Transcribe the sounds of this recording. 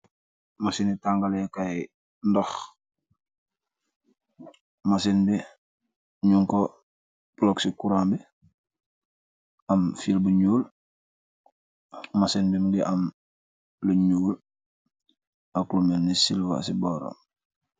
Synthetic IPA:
masinitaŋɡalekaji | ndox | masinbi | ɲuŋko | b̥uloksikuɾaːmbi | amfilbuɲuːl | masinbimɡiʔam | liɲuːl | akulumennisilwa̰siboɾo̰m

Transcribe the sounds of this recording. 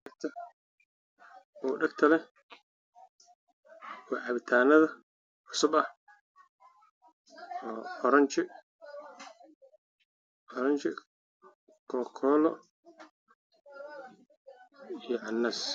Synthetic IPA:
ɐk̚t̪ʰɐ | ʔuːɖɐɡt̪ʰɐlɛ | wɑːʕɑβɪt̪ʰaːnɐðɐ | ʕʊsʊbɐh | ɔːʔɔɾɐɲt͡ʃɪ | ʔɔɾɐnt͡ʃɪ̰ | kʰɔːkʰɔːlɔ | ijɞʕɑnːɐs

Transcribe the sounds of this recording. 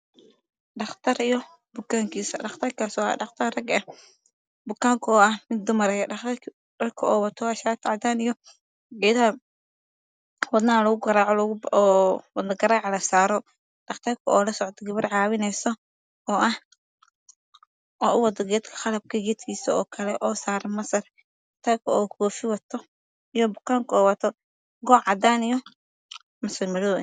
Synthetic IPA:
ɖɑχt̪ʰɐɾijɔ | bʊkaːŋkʰiːsɐɖɑχt̪ʰɐrkʰasɔɑ̰ɖɑχt̪ʰɐrrɐɡɛ | bʊkaːŋkʰʊɔːɐhmɪd̪ːʊmɐɾɛjɖɑχt̪ʰɐr | rɐkʰʊɔːwɐt̪ʰɔaʃaːt̪ʰʕɑd̪aːnijɔ | ɡɛːd̪ɐhɐ | wɐd̪naːlɐɣʊɡɐɾaːʕɔlʊɔːwɐd̪nɐɡɐɾaːʕɑlɐsaːɾɔ | ɖ̥ɐqt̪ʰɐkʰʊɔːlɐsɔʕt̪ʰɔɡɐβɪrʕaːwɪnɛjsɔ | ɔːʔɐh | ɔːʊwɐd̪ɐɡɛːd̪kʰɐ̥χɑlɐb̚kʰɐɡɛd̪kʰiːsɐɔ̰ːkʰɐlɛʔɔːsaːɾɐmɐsɐr | ɖɐqt̪ʰɐkʰʊɔːkʰɔːfɪwɐt̪ʰɔ | ijɔbʊqaːŋkʰɔːwɐt̪ʰɔ | ɡɔːʕʕɑd̪aːnijɔ | mɐsɐrmɪɽoː

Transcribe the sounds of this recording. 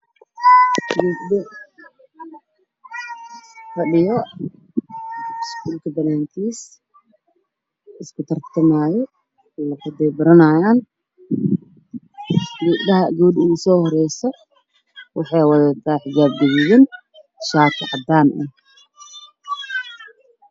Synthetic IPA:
ɡuːbɗɛ | fɐɗɪjɔ | skuːlkʰɐbɐnaːŋkʰiːs | ɪskʰʊt̪ʰɐrt̪ʰɐmaːjɔ | lɐkɐd̪ɛbɐɾɐnajaːn | ɡuɐɦɐɡuːɗɪsɔːhɔɾɛjsɔ | wɑħɑjwɐðɐt̪ʰaːħɪd͡ʒaːb̚ɡɐβɪjɪn | ʃaːt̪ʰɐʕɑd̪aːnʔɛ̰

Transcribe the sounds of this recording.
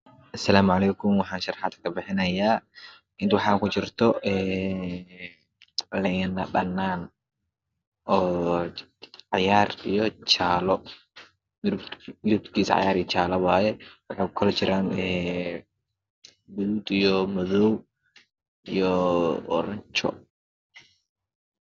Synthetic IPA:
ʔɐsɐlaːmʊʕɑlɛːkʰʊmwɑħɑːnʃɐrħɑːd̪ʰkʰɐbɪħɪnɐjaː | ɪnt̪wɑħɑːŋkʰʊt͡ʃɪrt̪ʰɔɛː | lɛjnɐbɐnːaːn | ʔɔː | ʕɑjaːrijɔt͡ʃaːlɔ | mɪɾʊb̚t̪kʰiːsɐ̰ʕɑ̰jaːɾijɔt͡ʃaːlɐwaːjɛwɑħɑːkʊkʰɔlɐt͡ʃɪɾʔaːnɛː | bʊðuːd̪ijɔmɔðɔw | ijɔɔ̰ɾɐɲt͡ʃɔ̰

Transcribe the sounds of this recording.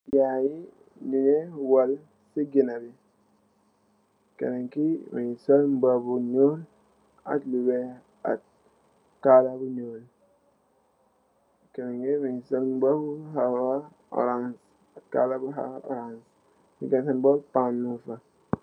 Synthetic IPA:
jaji | niŋewal | siɡinabi | kḛɾeŋkimḭisolm̩babuɲol | a̰tlube | a̰t | kalabuɲoːl | keɾeŋkimisolm̩babuɦaa | ɔ̰ɾans | aka̰labuɦa̰ɔ̰ɾans | iɡensinbolpanːufa

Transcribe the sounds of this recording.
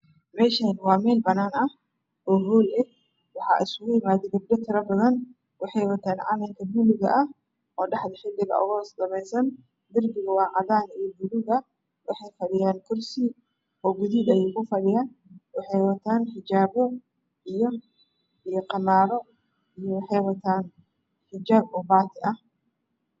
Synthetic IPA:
mɛːʃɐnwɑːmɛːlbɐnaːnɐh | ʔɔːɦɔːlɛ | wɑħɑ̰ːʔɪsʊɣʊjɪmaːðɛɡ̪ɐb̚d̪ɐt̪ʰɪɾɐbɐðɐn | wɑħɑjwɐt̪ʰaːnʕɑ̰lɐŋkʰɐbulɪɣɐ̰ʔɐh | ʔɔːɖɑħd̪ɐħɪlːɪɣɐ̰ʔɔ̰ɣɔːsdɐmɛjsɐn | d̪ɪrbɪɣɐwɑːʕɑðaːnijɔbʊlʊɣɐ | wɑħɑjfɐɽɪjaːnkʰʊrsi | ɔːɡʊðiːd̪ɛjɛjkʰʊfɐɽɪjaːnwɑħɑjwɐt̪ʰaːnħɪd͡ʒaːβɔ | ʔijɔ | ijɔqɑmaːɾɔ | ijɔwɑħɑjwɐt̪ʰaːn | ħɪd͡ʒaːbɔbaːt̪ʰɪʔɐh

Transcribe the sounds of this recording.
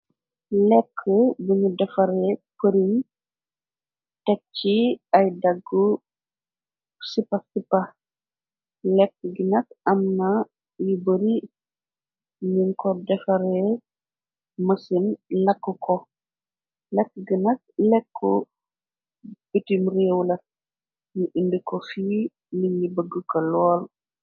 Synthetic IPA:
lɛkʰːəbuɲudɛfɐɾɛpəɾin | tɛk̚t͡ʃiɐjdɐɡːu | sipɐsipɐ | lɛkːəɡinɐk̚ɐmnɐ | jubəɾi | ɲiŋkɔdɛfɐɾɛ | mɐsinlɐkːukʰɔ | lɛkːɡənɐk̚lɛkʰːɔ | b̥itimrewlɐt̚ | juʔindikɔfiː | miɲibəɡːukɐlɔːl

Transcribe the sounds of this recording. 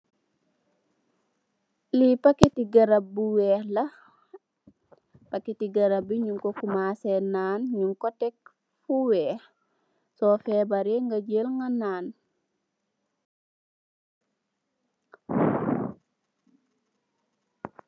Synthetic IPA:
lipaketiɡɐɾabuwɛːhlɐ | pakːitiɡɐɾabiɲuŋkokumasenaːnɲuŋkotɛk̚ | fuwɛːh | sɔfɛbaɾeŋɡɐɟelŋɡanaːn

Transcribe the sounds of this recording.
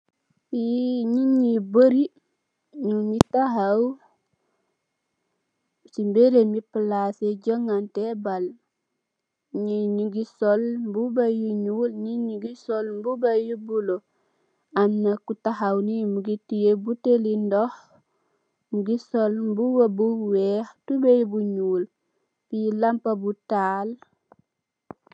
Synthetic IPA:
iɲuɲiboɾi | ɲuɲitaɦaw | simbeɾemipəlaseɟoŋantebal | ɲiɲuɡisolmbubajuɲulɲiɲuɡisolmbubajubulo | amnakutaxawnimuɡitijebutelindɔx | muɡisolmbuwabuwɛːxtubejbuɲuːl | pilampabutaːl

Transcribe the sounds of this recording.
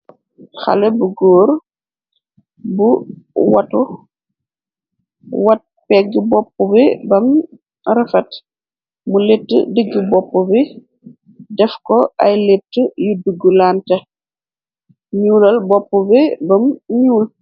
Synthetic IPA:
xa̰lɛbuɡɔːɾ | buwatɔ | wɐt̚pɛɡːibɔpːɔbɛbɐm | ɾɐfɐt | muletːə̰dəɡːibɔpːɔbi | dɛfkɔajletːəjuduɡːulaːntɐ | ɲuːlɐlbɔpːɔbɛbɐmɲuːl

